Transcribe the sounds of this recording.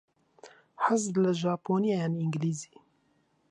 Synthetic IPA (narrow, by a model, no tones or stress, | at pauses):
ħəzləʒɑːpoːnijajaniŋɡliːzi̥ː